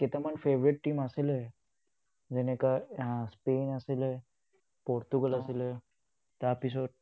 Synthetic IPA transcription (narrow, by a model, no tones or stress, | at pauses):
ket̪eməɳfeʋɾiʈ̚ʈiːməsele | d͡zenekaspenəsele | poɾt̪uɡələsele | t̪apiso